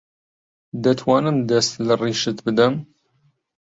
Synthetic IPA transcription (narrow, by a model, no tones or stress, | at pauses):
d̪ɐt̪ʰwɑːnɨmd̪ɐst̪lɐriːʃɨt̪bɨd̪ɐm